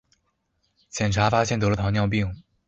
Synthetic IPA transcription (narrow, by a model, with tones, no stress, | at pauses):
t͡ɕʰjɛ˨˩nʈ͡ʂʰa˧˥fa˥ɕjɛ˥˩nt̪ɤ˧˥lə˧t̪ʰnjɑ˥˧ʊp̬i˥˩ŋ